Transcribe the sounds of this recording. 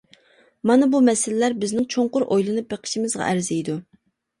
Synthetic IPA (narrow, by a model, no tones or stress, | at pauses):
mɑnɨbumɛsɪlɪlæɾbɪznɪŋt͡ʃʰoɴqʊɾʔojlˠɨnɨp̚beqʰə̥ʃimɪzʁɑ̰ʔæ̰ɾzɛjd̪u